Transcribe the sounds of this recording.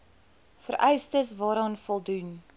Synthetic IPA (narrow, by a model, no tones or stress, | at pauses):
fərʔɛjstəsvɑːɾɑːnfɔlˠdun